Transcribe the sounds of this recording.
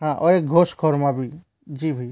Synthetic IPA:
ɦãʔɔek̚ɡʱoskʰɔɾmãbʱiː | d͡ʒiːbʱai

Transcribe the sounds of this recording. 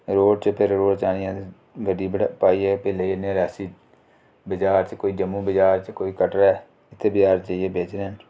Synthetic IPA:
ɾoːɖt͡ʃpʰɪɾɾoːɖt͡ʃaːnɪjãːt̪ː | ʋəɖiːpaːiːɛːpeːleːinẽːɾɛːsiː | bəd͡ʒaːɾt͡ʃkoːiːd͡ʒəmːũːbəd͡ʒaːɾt͡ʃkoːiːkəʈɾɛː | ɪt̪ʰːebəd͡ʒaːɾt͡ʃaieːbeːt͡ʃɾen

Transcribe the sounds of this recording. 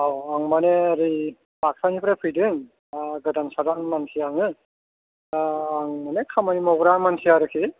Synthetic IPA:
awaŋmaneaɾi | bak̚sanipʰɾepʰɯjdɯŋ | ɡɯdansadanmansʰijaŋɯ | ŋmanekʰamanimɔɡɾaŋmansʰijaɾɯkʰi

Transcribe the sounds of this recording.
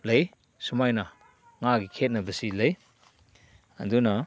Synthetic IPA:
lɐj | sumajnɐ | ŋaɡikʰet̚nɐbɐsilɐj | ɐ̰dunɐ

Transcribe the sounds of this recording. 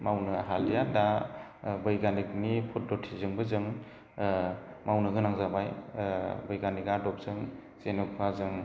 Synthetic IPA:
mawnɯɦaljada | bɯjɡanik̚nipʰut̚dɔtʰizɯŋbɯzɯŋ | mawnɯɡɯnaŋzabaj | bɯjɡanikadɔp̚z̥ɯŋ | senɔpʰazɯŋ

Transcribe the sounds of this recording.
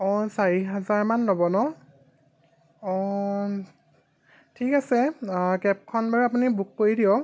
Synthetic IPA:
ɔsaɹiɦazaɹmanlobɔnɔ | ɔ | tʰikasɛkɛp̚kʰɔnbaɹap̬unibukːoɹidijɔ

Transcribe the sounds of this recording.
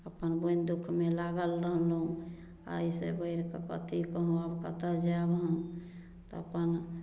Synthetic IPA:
əpənbond̪ukʰmelaɡəlɾəɦlɦũ | a̰isḛbəɪɾkekə̰t̪ikəɦũabkət̪əld͡ʒabɦ | t̪ɔəpən

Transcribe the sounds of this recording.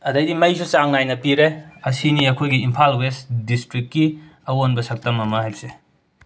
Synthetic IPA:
ɐdajdimɐjsusaŋnajnɐpiɾeɐsiniɐkʰojɡiimpʰalwestdistɾikt̚kiɐwonbɐsɐk̚tɐmɐmɐhajbse

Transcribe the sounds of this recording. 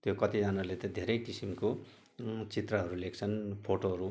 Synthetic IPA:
t̪jokʌt̪id͡zanalet̪ʌd̪ʱeɾʌjkisimko | t͡sit̪rʌɦʌɾulekʰt͡sʰʌnpʰoʈoɦʌɾu

